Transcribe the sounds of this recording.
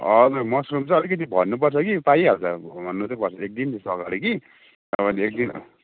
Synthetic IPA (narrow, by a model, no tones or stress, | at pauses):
ʌd͡zuɾmʌsrumt͡sʌ̃ʌlik̬ʌt̪̬ibʱʌnːupʌrt͡sʰʌkipaiɦʌlt͡sabʌnːut̪epʌrt͡sʰʌek̚d̪int̪esʌkaɽiki | ʌbʌnek̚d̪in